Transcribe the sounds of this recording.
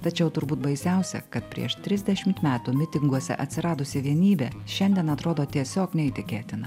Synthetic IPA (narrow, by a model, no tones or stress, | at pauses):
t̪ɐt͡ʃʲɛʊt̪ʊɾbuːt̪̚bɐɪsʲɛʊsʲɛ̰kɐt̪pʲɾʲḭɛʃt̪ʲɾʲɪzʲd̪ʲɛʃʲɪmt̪mʲæːt̪uːmʲɪt̪ʲɪŋɡuɔsʲɛ̰ʔɐt̪ʲsʲɪɾɑːd̪ʊsʲɪʋʲiɛnʲiːbʲeːʃʲɛnʲd̪ʲiɛnɐt̪ɾoːd̪oːt̪ʲiɛsʲoːknʲɛit̪ʲɪkʲeːt̪ʲɪnɐ